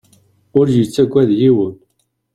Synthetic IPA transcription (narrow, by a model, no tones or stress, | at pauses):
ʊɾjət͡sːæɡʷːæðjiwən